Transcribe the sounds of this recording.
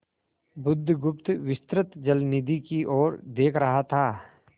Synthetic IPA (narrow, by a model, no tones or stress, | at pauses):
bʊd̪ʱːɡʊp̚t̪ʋɪst̪ɾət̪d͡ʒɐlnɪd̪ʱikiʔɔːɾd̪eːkʰɾɐɦat̪ʰaː